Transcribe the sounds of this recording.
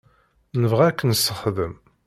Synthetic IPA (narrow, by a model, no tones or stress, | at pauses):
nəvʁækːənəsːəχðəm